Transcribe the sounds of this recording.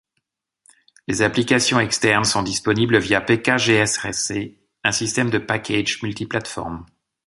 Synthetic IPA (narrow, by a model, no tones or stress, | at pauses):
lezaplikasjɔ̃ɛkst̪ɛʁnsɔ̃d̪ispɔnibləvjapekaʒeɛsɛse | ɛ̃sist̪ɛmd̪əpakʲʰeʒmylt̪iplat̪fɔ̰ʁm